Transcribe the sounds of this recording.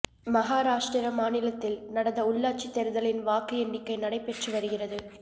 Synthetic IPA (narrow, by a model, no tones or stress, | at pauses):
mɐɣaːɾaːʂʈɾɪɾɐmaːnɪlɐt̪ːɪlnɐɽɐnd̪ɐʊɭːaːʈt͡ʃit̪ːɛɾɯðɐlɪnʋaːkɯɛnːɪkːɐɪnɐɽɐɪpːɛʈrɯʋɐɾɯɣɪrɐðɯ